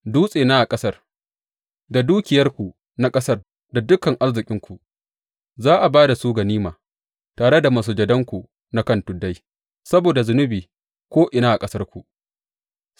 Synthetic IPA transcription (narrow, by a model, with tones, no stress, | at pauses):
duː˦sʼeː˨naː˦ʔa˨kʼɐ˦sɐ˦r | da˨duː˦kʲɪ˨jɐ˦rkʷu˨ | na˦kʼɐ˦sɐ˦r | da˨dʊ˦kːɐ˨ŋʔa˦rzɪ˨kʲʼɪ˦ŋkʷu˨ | zaː˦ʔa˨baː˦da˨suː˦ɡa˨niː˦maː˨ | taː˨ɽe˦da˨maː˦s̬uː˨d͡ʒɐ˨dɐ˦ŋkʷu˨ | na˦kɐ˦ntʊ˨da˦j | sɐ˦boː˨da˨zʊ˨nʊ˦biː˨ | kʷoː˦ʔɪ˨naː˦ʔa˨kʼɐ˦sɐ˦rkʷu˨ʔ